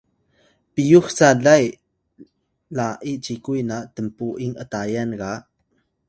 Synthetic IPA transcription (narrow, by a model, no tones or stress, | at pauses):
pijuxt͡saɮɐj | laʔiʔt͡sikujnaʔt̪əmpuʔiŋʔət̪ajɛnɡaʔ